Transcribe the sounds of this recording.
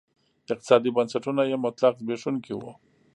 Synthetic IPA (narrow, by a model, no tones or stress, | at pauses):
ɪq̚t̪ɪ̥sɑd̪ibansaʈunajemʊt̪laqzbeʂunkiwo̰